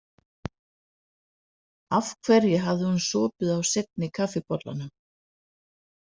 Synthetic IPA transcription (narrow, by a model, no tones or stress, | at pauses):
afkʰvɛɾjɪɦavðɪhunsɔːpʏðawset̪̚nɪkʰafɪpɔt̪la̰na